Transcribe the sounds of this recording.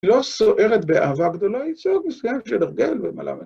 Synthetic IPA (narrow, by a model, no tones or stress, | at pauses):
lo̞soʔe̞ʁet̪bea̰ːvaɡd̪o̞laisoet̪misu̥kameʃeleʁɡe̞lvema̰lʔa̰me